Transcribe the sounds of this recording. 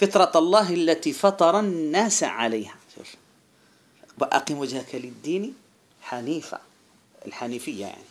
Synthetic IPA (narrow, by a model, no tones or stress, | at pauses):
fɪt̪ɾˤɑɑlˤːɑːɦʔalːat̪ifɑt̪ˤɑɾˤɑnːaːsa̰ʕa̰lajːhaʃṵl | baʔa̰qimwad͡ʒhakalɪd̪ːiːni | ħaniːfa̰ | ɪlħaniːfɪjːa̰ja̰ʕni